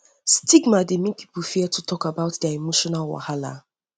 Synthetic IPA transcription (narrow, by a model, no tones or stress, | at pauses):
stiɡmademĩkʰi̥pufiɛtʰutʰɔkabaʊtdaemoʃɔnalwa̰hala̰